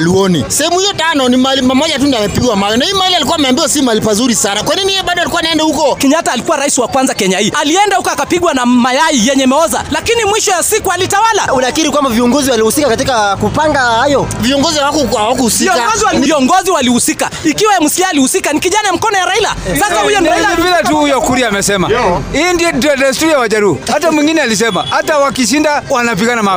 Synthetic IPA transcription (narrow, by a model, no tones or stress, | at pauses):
liɔnisɛhɛmuhijɔtanɔnimaɛlimamɔʄatundiamɛpiɡwamajɔnahimaɛlialikuwamɛambiɔsimalipazuɾisanakwaninijɛɓaɗɔalikuanaɛndɛhukɔkɛɲataːlikuwaɾaisiwakwanzakɛɲaiʔaliɛndahukɔakapiɠwanamajaijɛɲɛmɛɔzalakinimwiʃɔjasikualitawalaunakiɾikwambaviɔŋɡɔziwalihusikakatikakupaŋɡahajɔviɔŋɡɔziwawakuawak̬uhusiɔɡɔziwaiɔŋɡɔziwalihusika | ikiwajamwusiaːlihusikanikiʄanajam̩kɔnɔjaɾailasasahujɔnvilɛtuhujɔkuɾiamɛsɛmahiːndiɔdɔɾɛstuɾiawaʄaɾuuatamwiŋɡinɛalis̬ɛmahatawakiʃ̬indawanap̬iɡanama